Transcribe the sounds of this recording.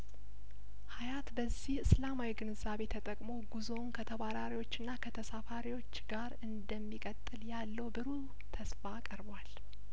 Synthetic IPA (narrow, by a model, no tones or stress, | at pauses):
hajat̪bəzːihɨslamawiɡɨnɨzaβe̞t̪ʰət̪ʼəkʼmo̞ɡuzo̞nkʰət̪ʰəβaɾaɾiwo̞t͡ʃːɨnːakʰət̪ʰəsafaɾiwo̞t͡ʃːɡaɾɨnd̪əmːikʼət̪ʼːɨljalːəwbɨɾu | t̪ʰəsfaːkʼəɾbwal